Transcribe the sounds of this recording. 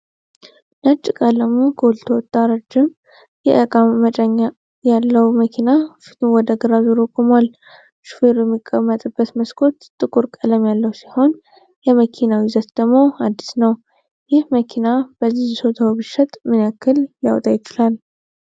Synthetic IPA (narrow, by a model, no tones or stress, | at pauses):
nət͡ʃʼːɪkʼaləmokʰəwʊlt̪ʰəwɔt̪ʼːaɾad͡ʒɪm | jɛ̰ʔəkʼamːət͡ʃʼəɲːa | jalːəwməkʰinafi̥t̪ʰmwɔd̪əɡɨɾaziɾokʼomal | ʃu̥feɾjɛmːikʼːəmːət̪ʼɨbːət̪məskʰo̞t̪ʼːɨkʼuɾkʼələmjalːəwsiho̞n | jɛməkʰinawizət̪d̪̥əmo̞ad̪ːi̥snəw | jɪhməkʰinab̥əzːiso̞t̪ʰawbɨʃət̪ʼmɨnjakːɨljawt̪ʼajɪt͡ʃɪlal